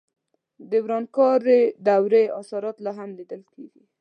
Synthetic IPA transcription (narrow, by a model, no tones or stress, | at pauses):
d̪əwɾɑnkɑɾed̪awɾeasɑɾɑt̪laɦamlid̪əlkeɡi